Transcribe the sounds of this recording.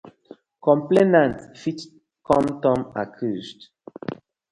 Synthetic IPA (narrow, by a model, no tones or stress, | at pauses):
kɔ̃mplenantfit | kɔmtɔma̰kʰust